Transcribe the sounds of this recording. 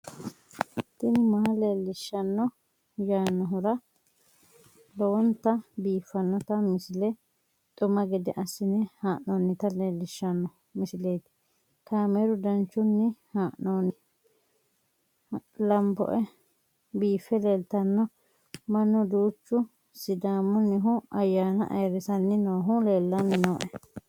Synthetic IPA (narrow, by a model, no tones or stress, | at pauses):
t̪ːɪnmɐhleːlːɪʃːɐnːɔ | jaːnːɔɦʊɾɐ | lɔwɔnt̪ːɐbiːfːɐnːɔt̪ɐmɪsɪlɛ | t̪ʼʊmɐɡɛd̪ɛʔɐsːɪnɛhaːʔnoːnːɪt̪ɐleːlːɪʃːɐnːɔ | mɪsɪleːt̪ɪ̥ | kaːmɛɾʊd̪ɐnt͡ʃːʊnːɪhaːʔnoːnːɪ | lɐmbɔ̰ʔɛ | biːfːɛleːlt̪ɐnːɔ | mɐnːʊd̪uːt͡ʃːʊ | sɪd̪aːmʊnːɪɦʊɐjːaːnɐ̰ʔɐ̰jɾɪsɐnːɪnoːɦʊleːlːɐnːɪnoːʔɛ